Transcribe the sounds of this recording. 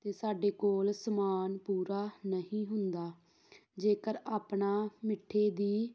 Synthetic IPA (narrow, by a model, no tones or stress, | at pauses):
t̪eːsaːɖeːkoːlsəmaːnpuːɾaːnəɦĩːɦʊnd̪aː | d͡ʒeːkəɾaːpɳaːmɪʈʰːeːd̪iː